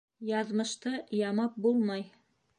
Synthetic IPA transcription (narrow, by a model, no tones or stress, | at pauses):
jɑðmɤ̆ʃt̪ɤjɑmɑp̚bulˠmɑj